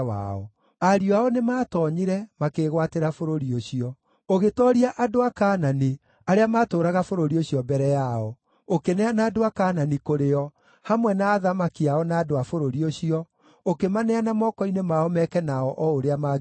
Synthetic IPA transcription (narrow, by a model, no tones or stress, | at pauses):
wa̰ɔ̰ | aɾioaɔnemaːtɔɲiɾɛmakeɣwateɾafoɾoɾioɕiɔ | oɣetɔɾiaʔadoakaːnane | aɾeamaːtoːɾaɣafoɾoɾioɕiɔbɛɾɛjaɔ | okenɛanaːdoakaːnanikoɾeɔ | hamwɛnaːðamakiaɔnaːdoafoɾoɾioɕiɔ | okemanɛanamɔkɔinemaɔmɛkɛnaɔʔɔoɾeama